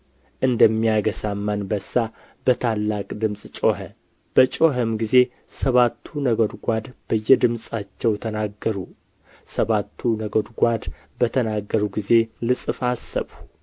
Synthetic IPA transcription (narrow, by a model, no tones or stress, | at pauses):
ʔɨnd̪əmːijaɡəsamːanbəsːa | b̥ət̪ʰalːakʼd̪ɨmsʼt͡ʃʼo̞ɦə | b̥ət͡ʃʼo̞ɦəmɡize̞ | səβat̪ʰːunəɡod̪ɡʷad̪b̥əjːɛd̪ɨmsʼat͡ʃːɛwt̪ʰənaɡːəɾu | səβat̪ʰːunəɡod̪ɡʷad̪ | bət̪ʰənaɡːəɾuɡize̞lɨsʼɨfasːə̰βu